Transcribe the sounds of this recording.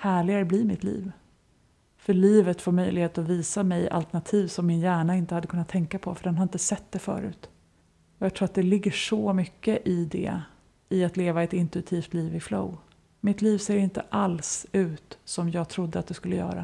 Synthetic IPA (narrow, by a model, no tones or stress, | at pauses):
hæːɭɪɡaɾəblimɪt̪lḭːv | fœɭiːvət̪foːɾmœjlɪɡheːt̪ɔviːsamɛjʔa̰lt̪æɳat̪ʰiːvsɔmːɪnjæːɳaɪnt̪əhad̪ːəkʰɵnːat̪ʰːɛŋkapʰɔfœɖɛnhaɾɪnt̪əsɛt̪̚ːd̪ɛfœ̰ːɾʉ̟̰ːt̪ | ɔjɑːɡt̪ʰɾuːɾat̪̚d̪ɛlɪɡːəʂɔmʏkːəʔɪd̪ɛ̰ | ɪat̪leːvaɛt̪ɪnt̪ɵɪt̪ʰiːft̪liːvɪflo̰w | mɪt̪liːvseːɾɪnt̪ə̰ʔalsʉ̟ːt̪sɔmjɑːɡt̪ʰɾʊd̪ːəat̪d̪ɛskɵlːəjœ̰ːɾa̰